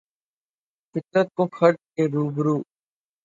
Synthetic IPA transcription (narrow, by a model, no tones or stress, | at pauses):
pɪt̪ət̪̚kõːkʰəɾʈ̚keːɾuːbɾuː